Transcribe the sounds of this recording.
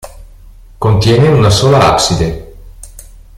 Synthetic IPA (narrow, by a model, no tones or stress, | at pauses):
kont̪jɛːneunasoːlaa̰ksid̪e